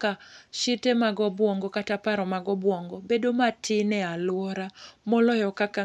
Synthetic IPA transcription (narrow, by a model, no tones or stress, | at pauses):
kaʃitɛmaɡɔbwɔŋɡɔkatapaɾɔmaɡɔbwɔŋɡɔbedomatʰɪnɛalwɔɾamɔlɔjɔkaka